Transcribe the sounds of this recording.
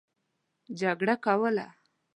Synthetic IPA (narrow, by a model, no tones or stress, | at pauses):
d͡ʒaɡɽakawəla̰